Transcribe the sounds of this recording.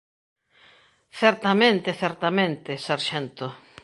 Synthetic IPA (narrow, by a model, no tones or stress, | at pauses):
θɛɾt̪amẽnt̪eθɛɾt̪amẽnt̪esaɾʃɛnt̪ʊ